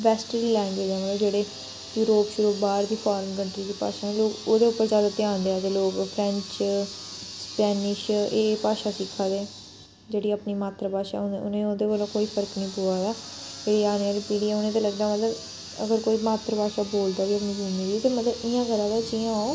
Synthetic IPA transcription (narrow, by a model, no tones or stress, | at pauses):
ʋɛːsʈɾiːlɛ̃ːŋɡweːd͡ʒɛːmət̪ləbd͡ʒeːɽeː | juːɾoːpʃʊɾuːbaːɾd̪iːpʰaːɾənkəɳʈɾiːd̪iːpa̰ːʃaːẽloːkoːd̪eːʊpːəɾzaːd̪aːt̪ɪãːnd̪eaːt̪eːloːkpʰɾɛ̃ɲt͡ʃ | spɛːnɪʃeːpaːʃaːsɪkʰːaːd̪eː | d͡ʒeːɽiːəpniːmaːt̪ɾəpaːʃa̰ːʊ̃neʊnẽːoːd̪eːbəːlõːkoːiːpʰəɾəknĩːpoːaːɡaːeːɽiːaːnjaːliːpiːɽiaːʊnẽːt̪eːləɡd̪aːmət̪ləb | ə̰ɡəɾkoːiːmaːt̪ɾəpaːʃaːboːld̪aːʋiːəpniːbʱumiːd̪iːt̪eːmət̪ləbɪjãːɡəɾaːd̪aːt͡ʃijãaːoː